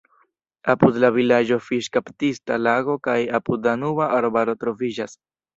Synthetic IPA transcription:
apudlavilad͡ʒo̞fiʃkaptistalaɡo̞kajapud̪lanuvaʔaɾbaɾo̞tɾo̞vid͡ʒas

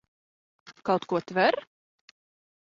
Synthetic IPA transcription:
kawt̪kuɔt̪vɛɾ

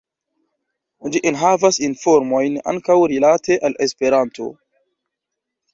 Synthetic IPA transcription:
d͡ʒiʔinɦavasinfoɾmo̞jna̰ŋkawɾilateʔalʔespeɾanto̞̰

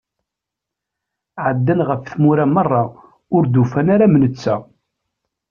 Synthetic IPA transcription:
ʕəd̪ːænʁəfθmuɾamɑrˤːɑ | ʊɾd̪ufænaɾamnət͡sːæ

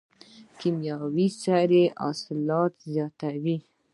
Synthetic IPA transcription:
kimjɑwisaɾeʔɑ̰slɑt̪zjɑt̪awi

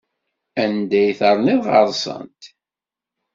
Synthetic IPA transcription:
ænd̪æjθəɾˤniðʁɑɾˤsˤə̰nt̪

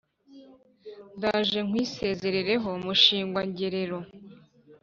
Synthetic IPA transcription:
ndaːʒe̞ŋ̥wiːse̞ːze̞ɾeɾe̞ɦo̞muʃiːŋɡwaɲɟeɾe̞ɾo̞

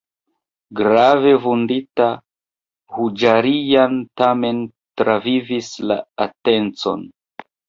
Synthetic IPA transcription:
ɡɾave̞vundita | hud͡ʒaɾijantame̞n | tɾavivisla̰ate̞nt͡so̞̰n

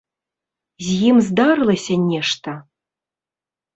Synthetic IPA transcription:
zʲjimzd̪ɑɾɨlˠɐsʲɐnʲeʂt̪ɐ

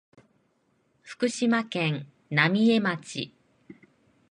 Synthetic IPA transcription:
ɸɯ̟̥kɯ̟ɕimakẽ̞n | namʲie̞mat͡ɕḭ

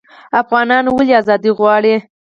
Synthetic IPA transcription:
afɣɑnɑnwaliazɑd̪iɣwɑɽi

